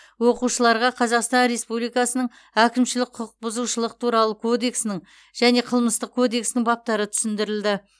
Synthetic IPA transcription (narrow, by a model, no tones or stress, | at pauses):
woquʃəlˠɑɾʁɑqʰɑzɑqst̪ɑnɾe̞spublijkɑsənəɴ | ækʲɪmʃɪlɪk̚ʲqʰʊq̚bʊzuʃəlˠəq̚t̪ʰuɾɑlˠəkʰo̞d̪e̞ksnɪɴ | ʒ̥æne̞qʰəlˠməst̪əq̚kʰo̞d̪e̞ksɪnɪŋbɑp̚t̪ɑɾət̪ʰʏ̥sɪnd̪ɪɾɪld̪ɪ